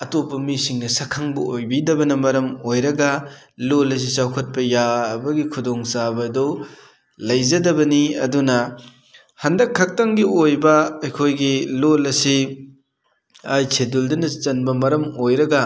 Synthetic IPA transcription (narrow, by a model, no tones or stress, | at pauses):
ɐtopːɐmisiŋnɐsɐkʰːɐŋbɐojbidɐbɐnɐmɐɾɐmojɾɐɡɐ | lolɐs̬it͡ʃawkʰɐt̚pɐjabɐɡikʰudɔŋsabɐdɔ | lɐjzɐdɐbɐniɐdunɐ | hɐndɐkʰːɐk̚tɐŋɡiojbɐɐjkʰojɡilolɐsi | ajsʰeduldɐnɐt͡ʃɐnbɐmɐɾɐmojɾɐɡɐ